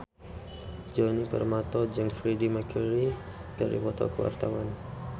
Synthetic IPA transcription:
d͡ʒɔnipə̰rmat̪ɔd͡ʒəŋfɾidimakʰuɾi | kaɾḭpɔt̪ɔ̰kəwa̰rt̪awan

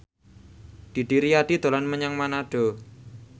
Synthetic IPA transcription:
d̪̥i̤ɖ̥iɾiaɖ̥id̪̥o̤lanməɲaŋmanaɖ̥ɔ̤

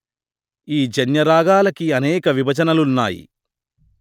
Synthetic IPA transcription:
iːd͡ʒɐnjɐɾaːɡaːlɐkiɐnɛːkɐʋibʱɐt͡ʃɐnɐlunːa̰ːjḭ

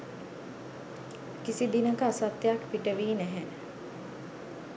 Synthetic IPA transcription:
kisid̪inəkəasat̪ːjakpiʈəʋiːnæɦæn

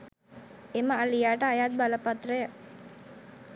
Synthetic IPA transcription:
eməalijaːʈəajaːt̪̚baləpat̪ɾəjə

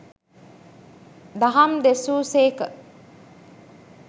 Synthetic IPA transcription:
d̪aɦɐmd̪esuːseːkə

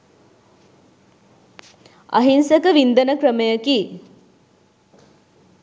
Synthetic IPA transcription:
ɐ̰ɦinsəkəʋind̪ənəkrəməjəki

